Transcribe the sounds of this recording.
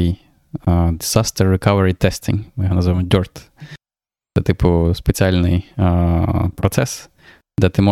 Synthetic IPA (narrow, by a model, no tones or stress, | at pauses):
j | d̪ɪzast̪ərːɪkaʋəɾit̪ɛsʲt̪ʲɪ̰ŋmɪjɦɐnɐzʋamɔd̪ʲɔrt̪ | t̪sɛt̪ɪpʊspet͡sʲialʲnɪj | pɾɔt̪sɛs | d̪ɛt̪ɪmɔ